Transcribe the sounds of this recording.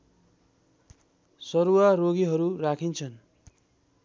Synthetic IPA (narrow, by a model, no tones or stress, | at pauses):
sʌɾuaroɡiɦʌɾurakʰint͡sʰʌn